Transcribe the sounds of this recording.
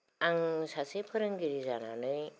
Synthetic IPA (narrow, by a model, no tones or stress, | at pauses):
aŋsasepʰɯɾɯŋɡiɾizana̰nɯj